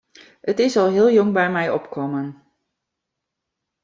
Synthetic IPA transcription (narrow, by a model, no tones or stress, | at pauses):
ətɪsɑlˠɦɪːlˠjɔŋbɛjmɛjɔpkɔmən